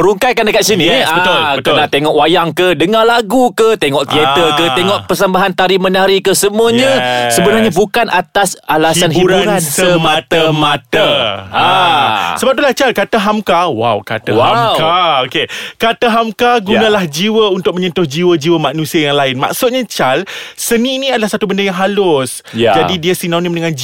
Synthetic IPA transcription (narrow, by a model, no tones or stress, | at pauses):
ɾuŋkajkandəkaʔsiniabəʊlbəkənaʔt̪eŋɔʔwajaŋkədəŋalaɡukət̪eŋɔʔt̪iet̪əkət̪eŋɔʔpərsəmbaɦant̪aɾimənaɾikəsəmuaɲãsəbənarɲabukanʔat̪asalasanhiɾansəmãt̪əmat̪a | səbap̚t̪ulaht͡ʃalkat̪əɦamkawa̰wkat̪əmkaokekat̪əɦamkaɡunãlahd͡ʒiwəunt̪ʊk̚mə̃ɲənt̪ʊhd͡ʒiwəd͡ʒiwəmanũsiajaŋlaɪnma̰ksʊt̪̚ɲãt͡ʃalsənĩːnĩadalahsat̪ubəndəjaŋɦalʊs | jd͡ʒadidiəsinanĩmnəŋan